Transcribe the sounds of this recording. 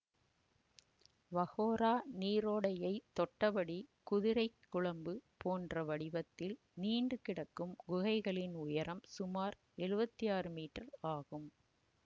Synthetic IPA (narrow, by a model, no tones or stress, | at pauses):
ʋɐɣoːɾaːniːɾoːɽɐjɐɪt̪ːɔʈːɐʋɐɽikʊðɪɾɐɪkːʊɭɐmbɯpoːndrɐʋɐɽɪʋɐt̪ːɪl | niːɳɖɯkɪɽɐkːɯmɡʊɣɐɪɣɐɭɪnʊjɐɾɐmsʊmaːɾ | ɛɻɯbɐt̪ːijaːɾɯmiːʈːɐɾaːɣɯm